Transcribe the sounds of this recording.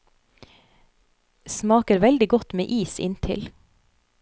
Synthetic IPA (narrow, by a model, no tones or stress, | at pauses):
smɑːkəɾʋɛld̪ɪɡɔt̪mḛːʔiːsɪ̰nt̪ʰɪ̰l